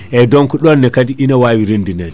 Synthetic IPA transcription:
ʔɛdɔŋkɔɗɔnːɛkadiʔinawawiɾindinɛn

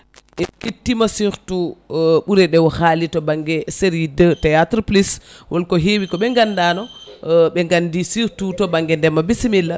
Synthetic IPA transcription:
ʔɛkitːimasiɾtuɓuɾɛɗɛwhaːlitɔbaŋɡɛseɾidətɛjatɾpliswʔɔlkɔɦewikɔɓɛŋɡandanɔɓɛŋɡandisiɾtutɔbaŋɡɛndɛmːabisimilːa

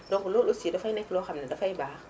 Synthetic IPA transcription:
dɔkulolosidafanɛklɔxamnadafajbaː

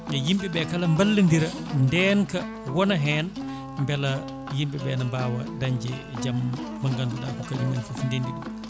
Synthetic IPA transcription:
ŋɡajimɓiɓɛkalambalːindiɾa | ndɛːnka | wɔnaɦɛːn | mbɛla | jimɓibɛnambaːwa̰daɲd͡ʒɛ | d͡ʒammaŋɡanduɗa̰kɔkad͡ʒuŋɡanfufndendiɗum

